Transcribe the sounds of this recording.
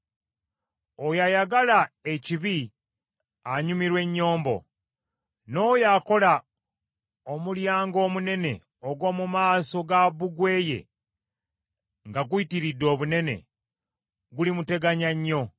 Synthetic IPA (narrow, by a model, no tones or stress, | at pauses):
ojajaɡalae̞ciβi | aɲumiɾwe̞ɲːo̞ːmbo̞̰ | no̞ːjako̞la | omuljaːŋɡo̞ːmune̞ne̞ | oɡwo̞ːmumaːso̞ɡaβuɡwe̞ːje̞̰ | ŋɡaɡuitiɾidːo̞ːβune̞ne̞̰ | ɡulimute̞ɡaɲaɲːo̞